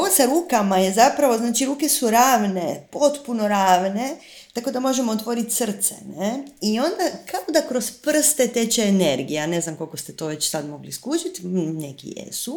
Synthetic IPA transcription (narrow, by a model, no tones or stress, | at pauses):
oosaɾuːkamaje̞zapɾaʋo̞znaːt͡ʃiɾuːke̞suɾaːʋne̞po̞t̪puno̞ɾaːʋne̞ | t̪ako̞d̪amo̞ʒemoːt̪ʋo̞ɾit̪sr̩t̪sḛneio̞nd̪akʰaod̪akɾo̞spr̩st̪e̞t̪e̞t͡ʃeːneɾɡijeane̞znamko̞lkost̪et̪o̞ːʋe̞t͡ɕsad̪mo̞ɡliskut͡ʃit̪nḛkḭjḛsu